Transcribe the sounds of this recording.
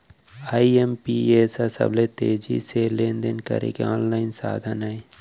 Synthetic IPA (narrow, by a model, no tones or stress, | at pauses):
aːiempieːsasə̰blet̪eːd͡ʒḭseleːnd̪enkɐ̰ɾḛkeɔ̃ːnlaːɪnsa̰ːd̪ʱənae